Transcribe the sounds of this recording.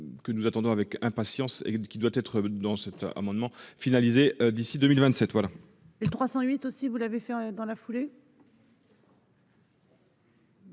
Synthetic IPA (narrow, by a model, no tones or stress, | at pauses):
kənuzat̪ɑ̃d̪ɔ̃avɛkɛ̃pasjɑ̃sḛkʲid̪wat̪ɛt̪χəd̪ɑ̃sɛt̪a̰mɑ̃d̪mɑ̃finalizeød̪isid̪ømilvɛ̃t̪sɛt̪vwala | elət̪χwasɑ̃ɥit̪osivulavefɛd̪ɑ̃lafule